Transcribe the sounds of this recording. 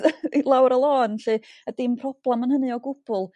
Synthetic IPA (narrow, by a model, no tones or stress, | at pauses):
ilˠawɾəlˠoːnɬɨədɪmpʰrɔb̥lˠɛmənhənɨɔɡʊb̥ʊlˠ